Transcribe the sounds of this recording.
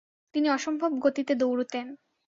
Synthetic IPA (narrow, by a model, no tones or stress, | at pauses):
t̪iniɔʃombʱobɡot̪it̪ed̪owɾut̪en